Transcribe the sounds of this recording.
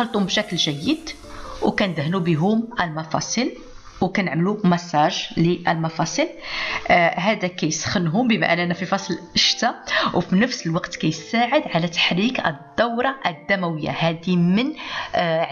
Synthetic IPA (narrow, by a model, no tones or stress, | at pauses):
xɑlt̪ˤumbʃæklʒæjːəd̪ | wkænd̪hnubiɦʊmʔəlmɑfɑ̰sˤil | wkænəʕmlumæsæʒliʔəlmɑfɑsˤil | ɦæd̪ækæjsxənɦʊmbəma̰ʔnʔænːæfifɑsˤlʔəʃt̪awfinəfsəlwɑqt̪kæjsaʕəd̪ʕalæt̪ːḁħɾikʔə̰d̪ːɑwɾˤɑʔəd̪ːæmæwəjːa̰hæd̪imən | ʕ